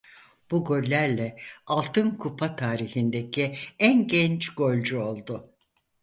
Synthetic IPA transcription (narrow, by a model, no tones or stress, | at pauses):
b̥uɡø̞lʲlʲæɾlʲɛalˠt̪ʰɯnkʰupʰat̪ʰaːɾihind̪ecʰiænɟɛnt͡ʃɡ̥o̞lʲd͡ʒuo̞lˠd̪ʊ